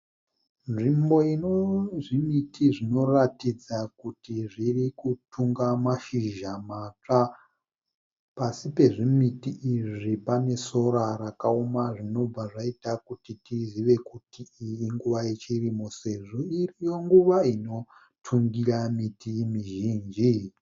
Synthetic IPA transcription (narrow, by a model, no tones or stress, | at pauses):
nʐimbo̞inoʐimitiʐino̞ratid͡zakutiʐirikutʰuŋɡamaʃiʒamat͡ʂa | pasipe̞ʐimitiʔːʐipane̞so̞ɾaɾakaomaʐino̞b͡vaʐaitakutitiziʋe̞kutiiiŋɡuʋajet͡ʃirimo̞se̞ʐo̞irijo̞ŋɡuʋaino̞ | tʰuŋɡiramitimiʒiːnd͡ʒi